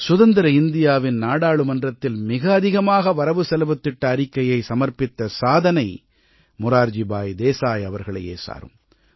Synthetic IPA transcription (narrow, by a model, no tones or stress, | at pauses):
sʊðɐnd̪ɪɾɐɪnd̪ɪjaːʋɪnnaːɽaːɭɯmɐndrɐt̪ːɪlmɪɣɐːðɪɣɐmaːɣɐʋɐɾɐʋɯsɛlʋɐt̪ːɪʈːɐːɾɪkːɐjɐɪsɐmɐɾpɪt̪ːɐsaːðɐnɐɪ | mʊɾaːɾd͡ʒɪbaːjd̪eːsaːjɐʋɐɾɣɐɭɐ̰jḛːsa̰ːɾɯ̰m